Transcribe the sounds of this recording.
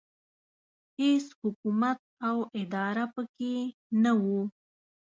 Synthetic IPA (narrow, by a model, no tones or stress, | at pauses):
heshʊkumat̪̚awɪd̪ɑɾapəkenawu